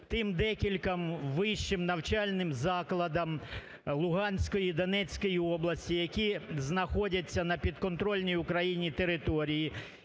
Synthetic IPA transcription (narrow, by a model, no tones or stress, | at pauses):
t̪ɪmd̪ɛkʲilʲkɐmʋɪʃt͡ʃɪmnɐwt͡ʃɑlʲnɪmzɑklˠɐd̪ɐm | lˠʊɦɑnʲsʲkɔjiid̪ɔnɛt͡sʲkɔjiɔblˠɐsʲtʲijɐkʲiznɐxɔdʲɐt͡sʲːɐnɐpʲid̪kɔnt̪ɾɔlʲnʲijʊkɾɐjinʲit̪eɾɪt̪ɔɾʲiji